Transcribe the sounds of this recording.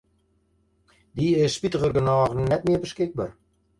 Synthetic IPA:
d̪iəʃpit̪ʁəɡə̆nɑːʁnnːɛt̪̚miəbəʃkek̚bɑr

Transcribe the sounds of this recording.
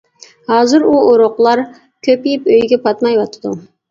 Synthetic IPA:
hɑːzɨɾuoɾoqlˠɑɾ | kʲʰøpijipøjɡʲɛpʰɑt̪mɑjwɑt̪ʰɨd̪u

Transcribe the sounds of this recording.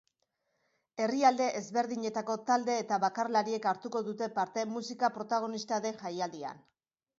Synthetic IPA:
e̞riald̪e̞ʔezβe̞ɾðiɲe̞t̪ako̞t̪ald̪e̞ːt̪aβakarlaɾie̞kaɾt̪uko̞ðut̪e̞paɾt̪e̞musikapɾo̞t̪aɣ̞o̞nist̪aðe̞xajald̪ia̰n

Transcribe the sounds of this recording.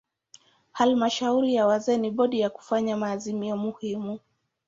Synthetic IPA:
halmaʃauɾijawazɛːniɓɔɗijaku̥faɲamaːzimiɔmuhimu

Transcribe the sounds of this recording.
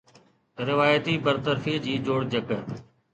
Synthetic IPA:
ɾɪʋaːjət̪iːbəɾt̪əɾfiːd͡ʑiːd͡ʒoːɽd͡ʒək

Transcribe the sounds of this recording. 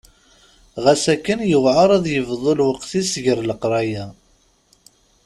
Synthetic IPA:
ʁæsækːənjəwʕəɾˤæðˤjəvðˤolwəqθisʝəɾləqɾˤɑjæ

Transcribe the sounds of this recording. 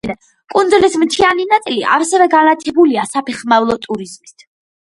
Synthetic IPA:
ɛ | kʼund̪zlismtt͡ʃ̪ʰianinat̪sʼiliʔa̰ɾsɛvɛɡanat̪ʰɛbuliasapʰɛχmavlˠɔt̪ʼuɾizmist̪ʰ

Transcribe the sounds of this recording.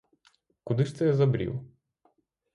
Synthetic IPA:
kʊd̪ɪʃt̪ɛjɛzɐbɾʲḭw

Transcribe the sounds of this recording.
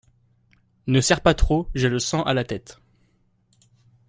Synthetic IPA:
nəsɛʁpat̪χoʒɛləsɑ̃ʔalat̪ɛt̪

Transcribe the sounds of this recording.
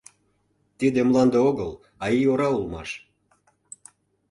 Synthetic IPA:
t̪id̪emlˠɑnd̪eoɣəl | ɑioɾɑulmɑ̰ʃ

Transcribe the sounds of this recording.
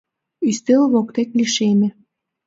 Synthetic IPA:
yst̪elβokt̪ek̪liʃemĕ

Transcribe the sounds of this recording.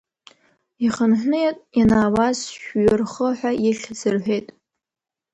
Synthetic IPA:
iχənħʷnɨjatʼjanaːwazʃᶣɥɪrχəħʷᶣaʔiɬʲzɨrħʷᶣejtʼ

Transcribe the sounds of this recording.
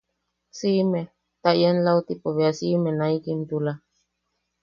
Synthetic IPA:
sime | t̪ajenlaut̪ipoβeasimenaikint̪ula

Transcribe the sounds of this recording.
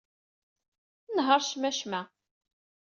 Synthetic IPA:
nɦəɾˤʃmæʃmæ

